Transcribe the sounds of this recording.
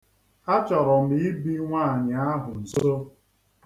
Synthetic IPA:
a˦t͡ʃɔ˨ɾɔ˨m̩˦i˦i˦bi˦ŋʷa˦˨ɲa˨a˦ɦʊ˨n̩˨zo˦

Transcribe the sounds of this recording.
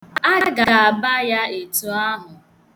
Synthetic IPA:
a˦ɡa˨a˨a˨ba˦ja˦e˨tu˨a˦ɦʊ˨

